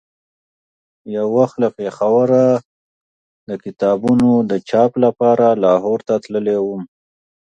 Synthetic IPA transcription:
jawːaxt̪lapexawaɾa | d̪əkɪt̪ɑbunod̪ət͡ʃɑplapɑɾalɑɦoɾt̪at̪ləlewum

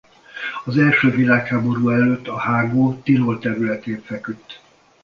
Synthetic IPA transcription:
ɒzɛlʃøːvilaːkhaːbo̞ɾuːɛløt̪ːɒhaːɡoːt̪iloːlt̪ɛɾylɛt̪eːɱfɛkyt̪ː

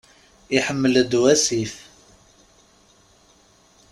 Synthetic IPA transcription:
iħəmːələd̪wæsif

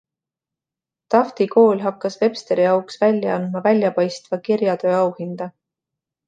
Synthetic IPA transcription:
t̪ɑft̪iko̞ːlʲɦɑkːɑsve̞pst̪e̞ɾijɑwksvælʲjɑɑnd̪mɑvælʲjɑpɑjst̪vɑkiɾjɑt̪ø̞ːɑwhind̪̥ɑ

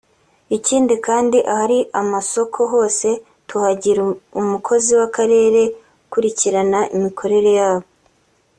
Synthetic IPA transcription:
iciːndikaːndiʔahaɾiʔamaso̞kʰo̞ɦo̞ːse̞ | tuhaɟiɾuumukʰo̞ziwakaɾe̞ːɾe̞ | kuɾiciɾanaʔimikʰo̞ɾe̞ɾe̞jaːβo

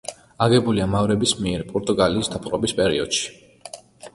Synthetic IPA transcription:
aɡɛbuliamavɾɛbismiɛɾpʼɔɾt̪ʼuɡaliːsd̪apʼɾɔbispʼɛɾḭɔd̪̥ʃi̥

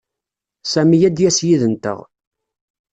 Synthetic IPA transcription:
sæmijæd̪jæsjiðənt̪ə̰ʁ

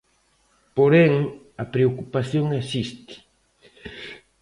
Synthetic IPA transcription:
poɾeŋ | apɾeokupasjoŋasɪst̪ɪ̥

